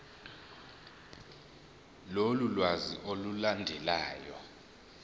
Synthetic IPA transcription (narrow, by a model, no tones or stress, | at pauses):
lolulwazḭʔolulandʱɛlaːjɔ̰